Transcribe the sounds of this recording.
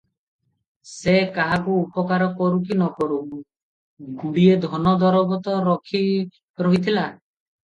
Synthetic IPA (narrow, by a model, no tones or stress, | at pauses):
sekaɦakuːpɔkaɾɔkɔɾukinɔkɔɾu | ɡuɽied̪ʱɔnɔd̪ɔɾɔbɔt̪ɔɾɔkʰi | ɾoɦit̪ʰila